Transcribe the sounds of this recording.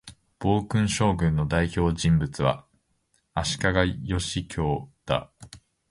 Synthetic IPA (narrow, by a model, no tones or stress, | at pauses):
b̥o̞ːkɯ̟̃ɰ̃ɕo̞ːɡɯ̟̃nːo̞d̪aiço̞ːd͡ʑĩmbɯ̟t͡sɨβa̰ | aɕi̥kaɡajo̞ɕikʲʰo̞ːd̪̥a̰